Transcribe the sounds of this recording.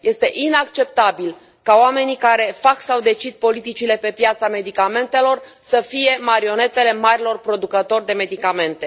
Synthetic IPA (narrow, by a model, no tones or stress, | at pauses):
je̞st̪e̞ʔinak̚t͡ʃe̞p̚t̪abil | kaoame̞nikaɾe̞faksawd̪e̞t͡ʃid̪̚po̞lit̪it͡ʃile̞pe̞pjat̪same̞d̪ikame̞nt̪e̞lo̞rsəfije̞maɾio̞ne̞t̪e̞le̞maɾilo̞rpɾo̞d̪ukət̪o̞rʲd̪e̞me̞d̪ikame̞nt̪e̞